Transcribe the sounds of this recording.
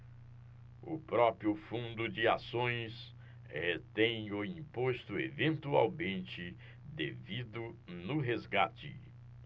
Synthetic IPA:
ʊ̰pɾɔpɾiʊfũnd̪ʊd͡ʒɪasõj̃s | het̪ẽj̃ʊĩpost̪ʊḛvẽnt̪ua̰wmẽnt͡ʃɪ | d̪evid̪ʊnʊɦezɡat͡ʃɪ̰

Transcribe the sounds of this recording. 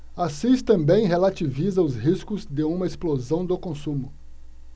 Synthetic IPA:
asist̪ɐ̃mbẽj̃ɦelat͡ʃivizɐʊzɦiskʊzd̪eũmɐesplozɐ̃w̃d̪ʊkõsũmʊ

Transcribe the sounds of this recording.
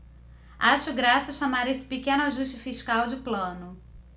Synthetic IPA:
aʃʊɡɾasɐʃamaɾesɪ̥pikẽnʊaʒuʃt͡ʃɪfiʃkawd͡ʒɪplɐ̃nʊ

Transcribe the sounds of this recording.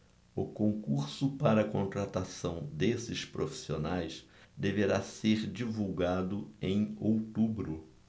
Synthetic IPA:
ʊkõŋkuɾsʊpaɾɐkõnt̪ɾat̪asɐ̃w̃d̪esɪʃpɾofi̥sionajs | d̪eveɾaseɾd͡ʒivuwɡad̪ʊẽj̃owt̪ubɾʊ

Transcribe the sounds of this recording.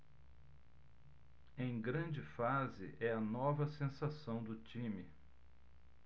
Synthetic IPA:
ẽj̃ɡɾɐ̃d͡ʒɪfazɪ̰ʔɛɐnɔvɐsẽsasɐ̃w̃d̪ʊt͡ʃĩmɪ

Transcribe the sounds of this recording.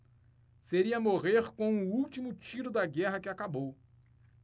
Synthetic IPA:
seɾiɐmoʁeɾkõw̃ũut͡ʃimʊt͡ʃiɾʊd̪ɐɡɛɦɐkɪakabow

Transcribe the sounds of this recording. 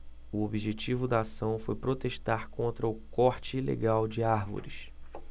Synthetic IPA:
uobiʒet͡ʃivʊd̪ɐːsɐ̃w̃fojpɾot̪eʃt̪aɾkõnt̪ɾɐʊkɔɾt͡ʃɪilḛɡawd͡ʒɪaɾvo̰ɾiʃ

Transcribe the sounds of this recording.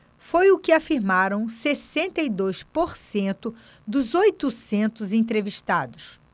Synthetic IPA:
fojʊkɪafiɾmaɾɐ̃w̃sesẽnt̪ɐid̪ojspoɾsẽnt̪ʊ | d̪ʊzojt̪ʊsẽnt̪ʊzẽt̪ɾeviʃt̪ad̪ʊs

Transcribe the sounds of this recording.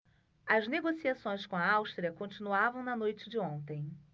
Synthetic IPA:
ɐzneɡosiasõj̃skõɐawʃt̪ɾiɐkõnt͡ʃinuavɐ̃w̃nɐnojt͡ʃɪd͡ʒɪõnt̪ẽj̃

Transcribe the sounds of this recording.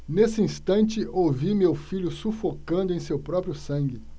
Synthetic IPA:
nesɪĩst̪ɐ̃nt͡ʃɪowvimewfiʎʊsufokɐ̃nd̪ʊẽj̃sewpɾɔpɾjʊsɐ̃ŋɡɪ

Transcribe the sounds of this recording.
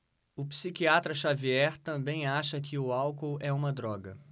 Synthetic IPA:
ʊpsikiat̪ɾɐʃaviɛɾt̪ɐ̃mbẽj̃aʃɐkʰɪʊawkowɛũmɐd̪ɾɔɡɐ̰

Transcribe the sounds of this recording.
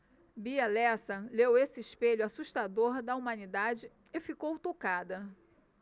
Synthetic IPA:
biɐlɛsɐlewesɪɪʃpeʎʊasuʃt̪ad̪oɾd̪ɐumɐ̃nid̪ad͡ʒɪ | efikowt̪okad̪ɐ

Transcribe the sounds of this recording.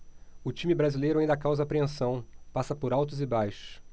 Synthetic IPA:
ʊt͡ʃĩmɪbɾazilejɾʊaĩnd̪ɐkawzɐapɾeẽsɐ̃w̃pasɐpʊɾawt̪ʊzɪbajʃʊ̥ʊ̥

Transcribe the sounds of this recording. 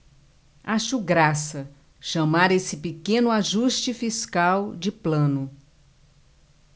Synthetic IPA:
aʃʊɡɾasɐ | ʃɐ̃maɾesɪpekẽnʊaʒuʃt͡ʃɪfiskawd͡ʒɪplɐ̃nʊ

